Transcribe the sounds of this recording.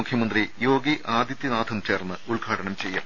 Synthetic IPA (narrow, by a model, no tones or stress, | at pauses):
ukʰjɐmɐnd̪rijoːɡiʔʔaːd̪jɐt̪ːjɐnaːd̪ʱɐmt͡ɕe̞ːrnːɨuɭɡʱaːɽɐɳɐmt͡ɕe̞jːɐ